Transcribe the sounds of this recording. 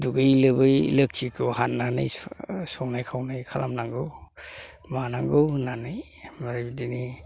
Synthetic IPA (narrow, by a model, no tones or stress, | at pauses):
duɡɯjlɯbɯjlɯk̚t͡ʃikʰɯwhanːanɯ̰jsɔwnajkʰawnajkʰalamnaŋɡɯw | manaŋɡɯwnanɯjmaɾibdini